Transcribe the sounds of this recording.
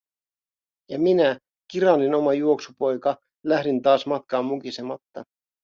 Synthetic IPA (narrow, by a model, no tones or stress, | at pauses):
jɑminæ | kiɾɑnino̞mɑjuo̞ksupo̞jkɑ | læhdint̪ɑːsmɑt̪kɑːmːukisemɑt̪ːɑ̰